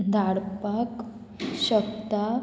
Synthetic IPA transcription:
d̪ʱaɽpak | ɕəkt̪a

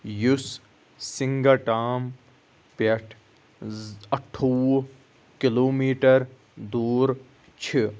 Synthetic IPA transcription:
jus | sɪŋɡaʈaːm | peʈʰ | ɐʈʰːo | kɪloːmiːʈəɾ | d̪uːɾ | t͡ʃʰi

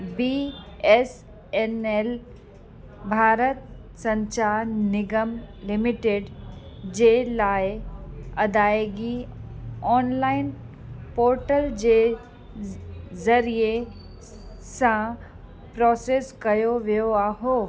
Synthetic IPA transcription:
bies | enel | bʱaːɾət̪ | sɐ̃ɲt͡ʃaːɾnɪɡəmlɪmɪʈeːɖ | d͡ʑelaːeɐd̪aːeɡi | ɔːnlaːɪn | poːɾʈəld͡ʑe | zɐɾije | sã | pɾɔːseːskɐjoʋijoaːɦoː

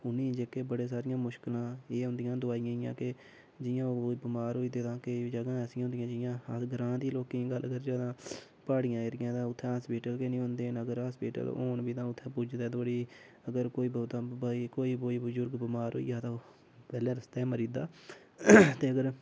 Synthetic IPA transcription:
ʊnĩːd͡ʒeːkeːbəɽeːs̬aːɾɪjãːmʊʃkɪlãːeːɦʊ̃nd̪ɪjãːd̪ʊaːijãːɪjãːkɪ | d͡ʒɪjãːoːoːiːbɪmaːɾɦoːiːt̪eːt̪ãːkid͡ʒəɡãːsĩɦʊ̃nd̪ɪjãːd͡ʒɪjãːɡəɾãːd̪iːloːkiːɡələɡəɾd͡ʒaːd̪ãː | paːɽɪjãːɪɾɪjãːt̪ãːʊt̪ʰːɛ̃ːsbiːʈəlkenĩːɦʊ̃nd̪eːnəɡəɾaːsbiːʈə̰l̰o̰ːnbiːt̪ãːʊt̪ʰːɛ̃ːpud͡ʒd̪ɛːt̪ʰoːɽiː | əɡəɾkoːiːbət̪ãːbaːiːkoːiːboːiːbəzʊɾɡbəmaːɾɦo̰ːḭːjãːt̪ãː | pɛːlɛ̃ːɾəst̪aːɛːməɾiːd̪aː | t̪eːəɡəɾ

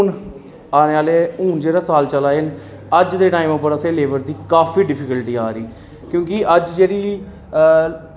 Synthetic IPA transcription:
n | aːneːaːleːuːnd͡ʒeːɽaːsaːlt͡ʃəlaːɪn | əd͡ʒd̪eːʈaːiməpːəɾəseːleːʋəɾd̪iːkaːfiːɖɪpʰɪkəlʈiːaːɾiː | kjõːkɪʔəd͡ʒd͡ʒeːɽiː

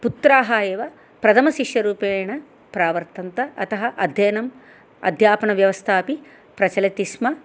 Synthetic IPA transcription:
put̪ɾaːɦaːjeːʋɐ | pɾɐt̪ʰɐmɐʃiʃjɐɾuːpeːjɐɳɐ | pɾaːʋɐɾt̪ɐnt̪ɐʔɐt̪ɐɦɐʔɐd̪ʱjeːnɐm | ɐ̰d̪ʱjaːpɐɳɐʋjɐʋɐst̪ʰaːpi | pɾɐt͡ʃɐlɐt̪ismɐ

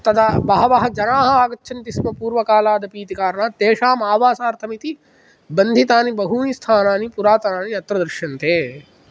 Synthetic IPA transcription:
t̪ɐt̪ʰabɐɦɐʋɐɦɐ̆d͡ʒɐnaːɦɐaːɡɐtːʃʰɐnt̪ismɐpuːɾʋɐkaːlaːd̪ɐpiːt̪ikaːɾɳaːt̪eːʃaːmaːʋaːsaːɾt̪ʰɐmit̪i | bɐnd̪ʱit̪aːnibɐɦuːnist̪ʰaːnaːnipuɾaːt̪ɐnaːniɐt̪ɾɐd̪ɾʃjɐnt̪ʰeː

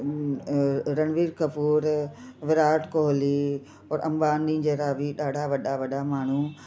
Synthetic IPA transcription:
ɾɐñʋiːɾkɐpuːɾʋɪɾaːʈkoːɦli | ɔːɾɐ̰̃mbaːnd̪ĩːd͡ʑeːɾaːʋiɗaːɖʱaʋɐɗaʋɐɗamaːɳ̤u

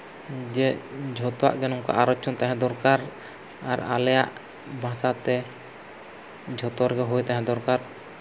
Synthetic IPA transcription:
d͡ʒɛd͡ʒʱɔt̪ɔwa̰ʔɡɛnɔŋka̰ʔaɾɔt͡ʃʰɔnt̪aɦɛ̃d̪ɔɾkaɾ | aɾa̰lɛjaʔ | bʱãsat̪ɛ | d͡ʒʱɔt̪ɔɾɡɛɦujt̪aɦɛ̃d̪ɔɾkaɾ

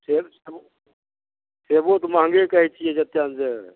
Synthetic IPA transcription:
seːbseːbo | seːbot̪mãːŋɡekəɦit͡ʃʰied͡ʒət̪jaːnse

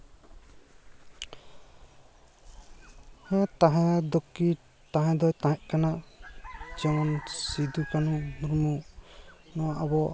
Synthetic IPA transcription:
hɛ̃t̪aɦɛ̃d̪ɔki | t̪aɦɛ̃d̪ɔjt̪ãɦɛʔkana | d͡ʒɔŋɔnsid̪ukanumɾmu | nɔwaʔabɔ

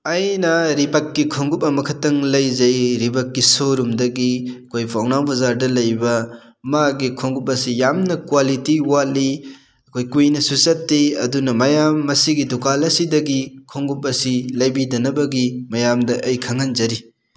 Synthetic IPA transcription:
ɐjnɐɾibɐkːikʰoŋɡup̚ɐmɐkʰɐtːɐŋlɐjzɐjɾibɐk̚ːisoɾumdɐɡiɐkʰojpʰawnawbɐzaɾdɐlɐjbɐ | maɡikʰoŋɡup̚ɐsijamnɐkwalitiwatli | ɐkʰojkujnɐsusɐtːiɐ̰dunɐmɐjamːɐsiɡidukalɐsidɐɡikʰoŋɡup̚ɐsilɐjbidɐnɐbɐɡimɐjamdɐʔɐjkʰɐŋɐnzɐɾi

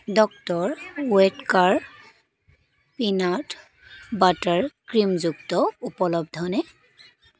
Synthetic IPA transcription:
dɔk̚tɔɹwɛtkaɹ | pinat | bataɹkɹimzuktɔupɔlɔbdʱɔnɛ

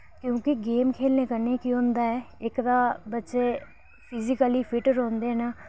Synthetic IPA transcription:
kjõːkɪɡeːmkʰeːlneːkəɾneːkiõːnd̪aːɛː | ɪkd̪aːbətːʃeː | pʰɪzɪkəliːpʰɪʈəɾõːnd̪eːnaː

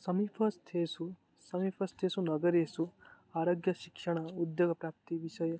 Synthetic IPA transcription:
sɐmipʰɐst̪ʰesu | sɐmipʰɐst̪ʰesunɐɡəɾesu | aːɾoɡjɐʃikʃɐɽ̃ɐud̪joɡɐpɾap̚t̪iʋiʃɐje

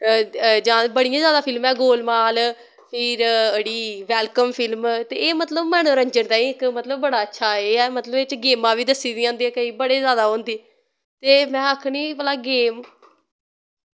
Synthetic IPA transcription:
d͡ʒãːbəɽijãːzjaːd̪aːpʰɪlmɛːɡoːlmaːl | pʰɪɾəɽiːʋɛːlkəmpʰɪlmt̪eːeːmət̪ləbmɛːnoːɾəɲd͡ʒənt̪ãːĩːɪkmət̪ləbːəɽaːətːʃʰaːeːɛːmət̪ləbet͡ʃɡeːmãːʋiːd̪əsːiːd̪ĩãːnd̪iːɛːkəiːbəɽeːzjaːd̪aːɦõːnd̪iː | t̪eːmɛ̃ːəkʰniːpəlaːɡeːm

